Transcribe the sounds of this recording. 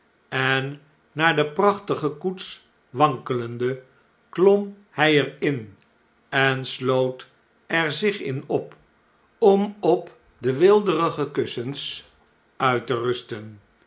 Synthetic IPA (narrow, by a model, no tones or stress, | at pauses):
ɛnː | aːɹdəprɑχtəχəkuts | ʋɑŋkələndə | klɔm | hɛjɛɹɪn | ɛnslowt | ʔɛɹzɪχɪ̰nɔp | ɔmɔp | dəʋɪlˠdərəχəkɵsəns | œɥtərɵstən